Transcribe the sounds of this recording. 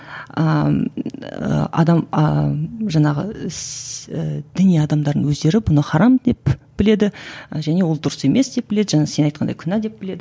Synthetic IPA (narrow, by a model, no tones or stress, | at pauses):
ə | ə̰ɑ̰d̪ɑm | ʒɑɴɑʁə̰ | d̪̥ɪnijɑd̪ɑmd̪ɑɾd̪ənwɵzd̪e̞ɾɪbʊnəqʰɑɾɑmd̪e̞p̚b̥ɪle̞d̪ɪʒæne̞wo̞lˠd̪ʊɾəse̞me̞sd̪e̞p̚b̥ɪle̞d̪ɪʒænese̞nɑjt̪qʰɑnd̪ɑjkʲʰʏnæd̪e̞p̚bɪle̞d̪ɪ